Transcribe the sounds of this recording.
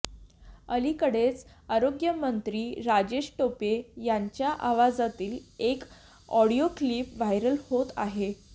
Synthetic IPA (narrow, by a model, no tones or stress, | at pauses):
əlikəɽet͡s | aɾoɡjəmənt̪ɾiːɾad͡ʑeɕʈopejaɲt͡ɕjaʔaʋad͡zat̪iːlek | ɔɽiokliːpʋajɾəlhot̪a̰ɦe